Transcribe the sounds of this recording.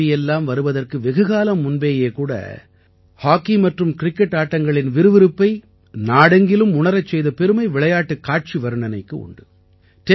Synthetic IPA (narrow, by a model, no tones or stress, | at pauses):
ɪjɛlːaːmʋɐɾɯʋɐðɐrkɯʋɛɣɯɣaːlɐmːʊnbeːjeːkuːɽɐ̰ | haːkːimɐʈrɯmkɪɾɪkːɛʈːaːʈːɐŋɡɐɭɪnʋɪɾɯʋɪɾɯpːɐɪ | naːɽɐŋɡɪlɯmʊɳɐɾɐt͡ʃːɛjðɐpɛɾɯmɐɪʋɪɭɐjaːʈːɯkːaːʈ̚t͡ʃiʋɐɾɯɳɐnɐɪkːɯʊ̰ɳɖɯ | ʈɛ